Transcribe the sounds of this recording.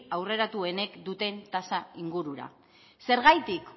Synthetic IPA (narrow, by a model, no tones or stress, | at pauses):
awre̞ɾat̪ue̞ne̞kd̪ut̪e̞nt̪asaiŋɡuɾuɾa̰ | se̞ɾɣajt̪ik